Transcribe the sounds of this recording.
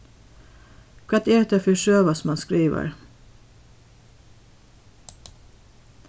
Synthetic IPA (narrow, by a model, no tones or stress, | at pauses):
kʰæt̪eːɾɛt̪efʏʃøːʋɑsmɑnskɾiːʋə̰ɹ